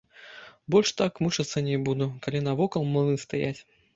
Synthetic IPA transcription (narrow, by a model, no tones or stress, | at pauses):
bɔlʲʂt̪akmuʂɐt̪sːənʲɪbud̪ʊkɐlʲinɐvɔkɐlˠmɨnɨst̪ɐjatʲ